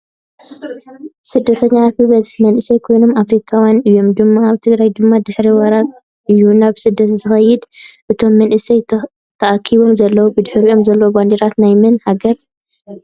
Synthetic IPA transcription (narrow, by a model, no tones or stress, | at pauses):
sɨd̪ːɐt̪ʰɐɲːat̪ʰat̪̚bɨβɐzɨħmɐnʔɨsɐjkʰo̞jno̞mafɾikʰawjanɨjːo̞md̪ɨmːaːβt̪ʰɨɡɾajd̪ɨmːad̪ɨħɾiwɐɾaɾ | ʔɨjːunaβsɨd̪ːɐt̪zɨxɐjːɪd̪ʔɨt̪ʰo̞mːɐnʔɨsɐj | t̪ʰɐʔakʰiβo̞mzɐlːɐwubɨd̪ħɨɾio̞mzɐlːɐwuband̪iɾat̪najmɨnhaɡɐɾ